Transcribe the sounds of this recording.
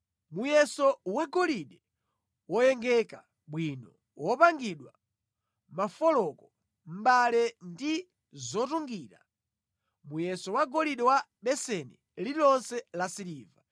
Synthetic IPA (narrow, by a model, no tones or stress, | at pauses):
mujɛsɔwaɡɔliɗɛ | wɔjɛŋɡɛka | ɓwinɔ | wɔpaŋɡiɗwa | mafɔlɔkɔ | m̩ɓalɛndi | zɔtuŋɡiːɾa̰ | mujɛsɔwaɡɔliɗɛwa | ɓɛsɛnɛ | lilɔnsɛlasiɾiːva